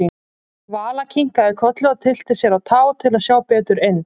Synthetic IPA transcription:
i | vaːlacʰiŋ̥kaɛɾkʰœt̪lʏɣat̪ʰɪl̥t̪ɪsjɛɾaðt̪ʰaːwt̪ʰɪlasjaːwpɛːt̪ʏɾejnː

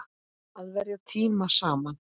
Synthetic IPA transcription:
aðvɛɾjat̪ʰiːmasaːman

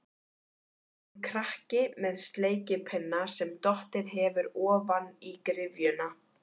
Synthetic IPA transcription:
kʰɾahcɪmɛðst̪leːjcɪpʰɛnːasɛmt̪ɔht̪ɪðɦɛvʏɾɔːvanikɾɪvjʏna

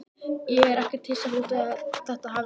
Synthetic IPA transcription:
jɛɛɾɛhcɪɾ̥t̪hɪlsaluːt̪ʏaðθɛht̪aɦaːv

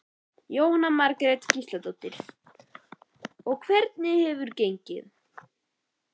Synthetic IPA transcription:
joːwnamaɾkɾet̪cist̪lat̪owt̪ɪɾ̥ | ɔɣkʰvɛɾt̪nɪhɛvʏɾcejɲcɪ̰ð

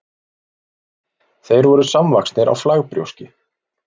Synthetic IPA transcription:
θejɾvɔɾʏsamlakst̪nɪɾa̰wflaɣpɾjo̰wscɪ

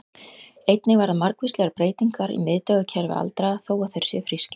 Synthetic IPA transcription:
ejt̪nɪɣvaɾðamaɾkvist̪lɛɣaɾpɾeːjt̪iŋkaɾḭmɪðt̪ɛɣacʰɛɾvɪ̰a̰lt̪ɾaaθoːwaθejɾ̥sjɛfɾiscɪ̥

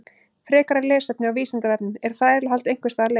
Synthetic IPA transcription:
fɾɛːkaɾaɾlɛːsɛp̚nɪawviːsɪnt̪avɛɾpnɪmɛɾ̥θaɛɾlɪɦalt̪ejŋ̥kvɪst̪aːaɾle

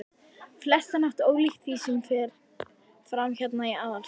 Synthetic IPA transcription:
flɛst̪anaht̪oːwlixt̪fisʏmfɪɾ̥ | fɾamçɛt̪naiaːðaɾ̥

